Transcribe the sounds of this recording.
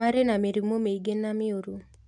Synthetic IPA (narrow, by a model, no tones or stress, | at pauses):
aɾenameɾimomeiɡenːamɪoɾu